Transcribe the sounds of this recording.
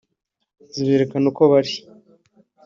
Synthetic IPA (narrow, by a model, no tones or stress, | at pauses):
ziβeːɾekanukoβaɾ